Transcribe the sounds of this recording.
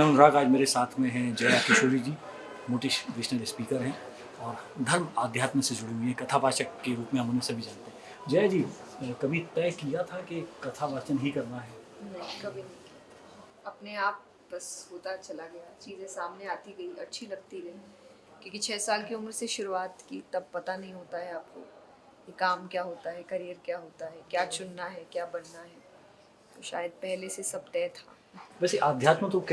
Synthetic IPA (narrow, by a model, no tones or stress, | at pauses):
ɛ̃ɦʊnɾaɡaːd͡ʒmeːɾesaːt̪ʰmẽɦɛ̃d͡ʒɛːjakɪʃoːɾid͡ʒiː | mʊːʈɪʃdɪːʃnəlspiːkəɾɦɛ̃ː | ɔːɾd̪ʱɐɾmaːd̪ʱjaːt̪mẽsed͡ʒʊɽiɦuiɦɛ̃kɐt̪ʰabaːʃəkkeɾuːpmẽɦɐmʊnẽsebʱid͡ʒaːnt̪eɦɛ̃ | d͡ʒɛːjad͡ʒiːkɐbʱit̪ɛːkijat̪ʰakekɐt̪ʰabʱaːt͡ʃənɦikɐɾnaɦɛːnɐɦĩkɐbʱinɐɦĩkiat̪a | ɐpneaːp̚ | bɐshoːt̪at͡ʃɐlaɡɐjat͡ʃiːzẽsaːmneaːt̪iɡɐiʔɐtːʃʰilɐɡ̚t̪iɾɐɦĩ | kjõːkit͡ʃʰɛːsaːlkiʊmɾseʃʊɾuaːt̪kit̪ɐb̚pɐt̪anɐɦĩɦoːt̪aɦɛaːp̚ko̰ | kekaːmkjaːɦoːt̪aɦɛkɐɾijəɾkjaːɦoːt̪aɦɛkjaːt͡ʃʊnːaɦɛkjaːbɐnnaɦɛː | t̪o̰ːʃa̰ːjəd̪̚pɛɦlesesɐb̚t̪ɛːt̪ʰa̰ː | bɛːseʔaːd̪ʱjaːt̪mə̃t̪ok